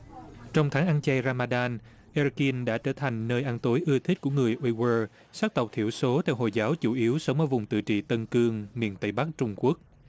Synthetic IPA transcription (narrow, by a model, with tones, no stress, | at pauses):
t͡ɕɔ˧wŋ͡mt̪ʰaː˨˦ŋʔa˧nt͡ɕɛ˧jɾaː˧maː˧ɗaː˧n | ʔɛ˧ɾki˧nɗa̰ː˧˥t͡ɕəː˧˩t̪ʰa˨˩jŋ̟nəː˧jʔa˧nt̪o˨˦jʔɨ˧ət̪ʰi̟˦˥ku˧˩əŋɨ˨˩əjʔwi˧wəː˧ | saː˦˥k̚t̪ə˨˩k͡p̚t̪ʰḭ˧˩əwso˨˦t̪ʰɛ˧wɦo̰˧˨jzaː˨˦wt͡ɕu˧˩ʔi˨˦əwsə˨˦wŋ͡mʔəː˧˦˩vʊ˨˩ŋ͡mt̪ɨ̰˧˨t͡ɕḭ˧˨t̪ə˧nkɨ˧əŋmḭ˧˨ənt̪ə˧˩jɓa˦˥k̚t͡ɕʊ˧ŋ͡mku˦˥ək̚